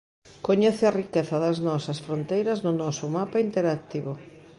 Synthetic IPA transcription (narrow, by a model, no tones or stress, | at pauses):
koɲɛθɪarikeθɐðɐznɔsɐsfɾont̪ejɾɐznʊnɔsʊmapaint̪eɾak̚t̪iβo